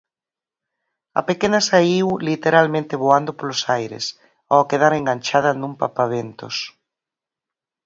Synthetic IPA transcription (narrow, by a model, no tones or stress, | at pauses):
a̰pekenasaiwlit̪eɾalmẽnt̪eβoand̪opolosajɾḛs | akeðaɾeŋɡanʲt͡ʃað̞anumpapaβent̪o̰s